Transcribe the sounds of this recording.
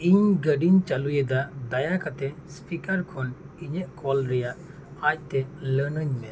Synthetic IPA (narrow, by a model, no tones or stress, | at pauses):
iɲɡəɖiɲt͡ʃalujed̪ad̪ajakat̪ɛspikaɾkʰɔniɲəʔkɔlɾɛjaʔ | ac̚t̪ɛləɾnəɲmɛ